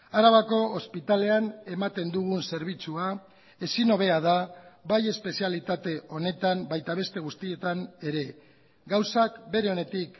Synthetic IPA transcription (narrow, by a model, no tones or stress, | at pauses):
aɾaβako̞ːspit̪ale̞ane̞mat̪e̞nd̪uɣ̞unse̞ɾβ̞it͡sua | e̞sino̞β̞e̞aðaβaje̞spe̞sialit̪at̪e̞ʔo̞ne̞t̪ambajt̪aβe̞st̪e̞ɣ̞ust̪ie̞t̪ane̞ɾe̞ | ɡawsakbe̞ɾe̞o̞ne̞t̪ik